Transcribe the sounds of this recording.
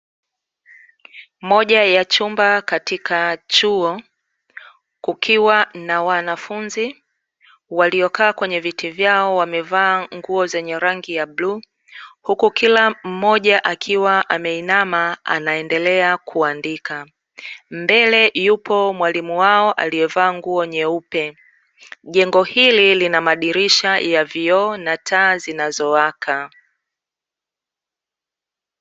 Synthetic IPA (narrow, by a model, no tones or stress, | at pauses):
mɔʄajat͡ʃumbakatikat͡ʃuɔ | kukʰiwanawanafunzi | waliɔkaːkwɛɲɛvitivjaɔwamɛvaːŋɡuɔzɛɲɛɾaŋɡijabluː | hukukilam̩ːɔʄaʔakʰiwaʔamɛinamaa̰naɛndɛlɛakʰuandika | mbɛlɛjupʰɔmwalimuwaɔʔa̰liɛvaːŋɡuɔɲɛupɛ | ʄɛŋɡɔhililinamaɗiɾiʃajaviɔnatʰaːzinazɔwakʰa